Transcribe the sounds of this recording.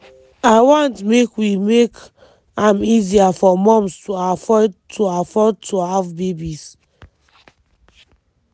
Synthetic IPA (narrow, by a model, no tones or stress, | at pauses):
aɪwɔ̃ntmekwimek | ãmiziafɔmɔ̃mstuafɔdtʰuafɔd̚tʰuhavbebis